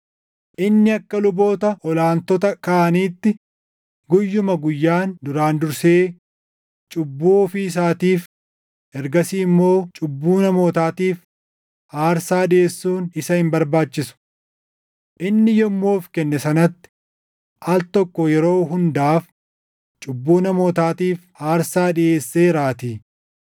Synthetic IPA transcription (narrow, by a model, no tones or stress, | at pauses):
ʔɪnːɪɐkːɐlʊbo̞ːt̪ɐʔɔlaːnt̪ɔt̪ɐkaʔɐniːt̪ːɪ | ɡʊjːʊmɐɡʊjːaːnd̪ʊɾaːnd̪ʊɾseː | t͡ʃʼʊbːoːfɪɪs̬aːt̪iːf | ʔɛɾɡɐsiːmːo̞ːt͡ʃʼʊbːuːnɐmo̞ːt̪aːt̪iːf | haːɾsaːᶑɪʔe̞ːsːuːnɪsɐhɪmbɐɾbaːt͡ʃːɪsʊ̥ | ʔɪnːɪjɔmːoːfkɛnːɛsɐnɐt̪ːɪ̥ | ʔɐlt̪ɔkːɔjɛɾo̞ːɦʊnd̪aːf | t͡ʃʼʊbːuːnɐmo̞ːt̪aːt̪iːfhaːɾsaːᶑɪʔe̞ːsːeːɾaːt̪iː